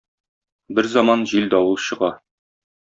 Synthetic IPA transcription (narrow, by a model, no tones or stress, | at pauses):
bɘɾzɑmɑnʑild̪ɒwɤlˠɕɤ̆ʁɑ